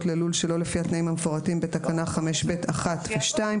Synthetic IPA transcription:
tlelulʃelo̞lefiat̪naimhamefoʁatimbe̞takanaχame̞ʃbe̞tʰaχatveʃtaim

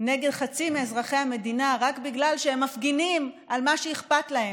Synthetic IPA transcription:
ne̞ɡe̞dχat͡simeːzʁaχe̞jhame̞dinaʁakbiɡlalʃeemːafɡinim | almaʃejiχpatlahe

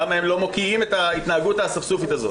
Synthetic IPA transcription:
amaemlo̞mo̞kiime̞tait̪naːɡutasafsufitazo

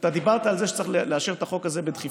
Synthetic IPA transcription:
t̪ad̪ibaʁt̪aːlzeʃet͡saaχlleaʃeʁet̪aχo̞kaze̞bed̪χi

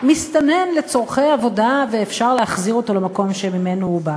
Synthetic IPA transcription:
mist̪ane̞mle̞t͡so̞ʁχejavo̞daveːfʃaʁlehaχziʁo̞to̞lemako̞mʃemimenohuba

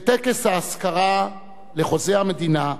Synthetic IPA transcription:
t̪ekeshaːskaʁa | le̞χo̞zehamed̪ina

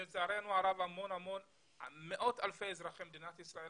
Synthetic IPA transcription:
lt͡saaɾenuaɾavamonhamon | meʔot̪alfejezɾaχemed̪inat̪isɾae

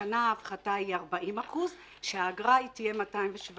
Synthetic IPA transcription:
anaːfχataiaʁbaʔimaχuz | ʃeaːɡʁaitije̞matajmveʃv

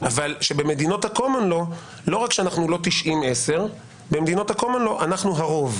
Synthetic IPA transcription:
ʔavalʃe̞be̞me̞d̪ino̞t̪hakomonlo̞ | lo̞ʁakʃeanaχnulo̞t̪iʃʔimese̞ʁ | bemed̪ino̞t̪hakomonlo̞ʔanaχnuɦaʁo̞v

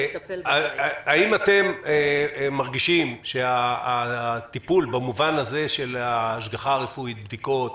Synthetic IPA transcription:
aimat̪e̞meːaʁɡiʃimʃe̞a | t̪ipulbamuvanaze̞ʃe̞laːʃɡaχaʁefuit̪̚bd̪iko̞t̪

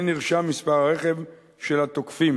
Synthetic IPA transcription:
niʁʃamːispaʁaʁeχe̞v | ʃe̞lat̪okfim

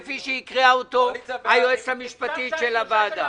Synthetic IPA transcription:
fiʃeikʁeaot̪ohajoet͡shamiʃpat̪itʃelavad̪a

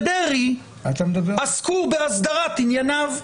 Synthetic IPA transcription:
deʁi | at̪amed̪ɐbeaskubeasd̪aʁat̪injanav

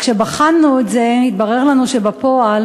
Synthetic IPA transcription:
kʃebaχalnuetze̞it̪̚baʁeʁlanuʃebapo̞al

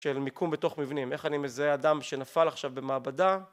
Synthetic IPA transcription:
ʃelmikumbeto̞χmivnime̞χanimezaeadamʃe̞nafalaχʃavbe̞maːbada

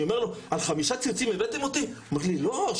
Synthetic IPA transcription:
omeʁloalχamiʃat͡sit͡simevet̪emo̞t̪iomeʁlilo

